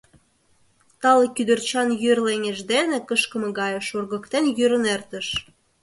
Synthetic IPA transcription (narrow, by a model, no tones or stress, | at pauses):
t̪ɑlekyd̪ə̆rt͡ɕɑnjørleŋeʒd̪enĕkəʃkə̆mɤ̆ɣɑjɤ̆ʃurɣə̆kt̪enjyɾə̆nert̪ə̆ʃ